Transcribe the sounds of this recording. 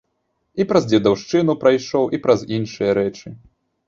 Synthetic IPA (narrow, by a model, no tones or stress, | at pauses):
ipɾɐzd͡zʲɛd̪awʂt͡ʂɨnupɾajʂɔwʔipɾɐzinʂɨjɐɾɛt͡ʂɨ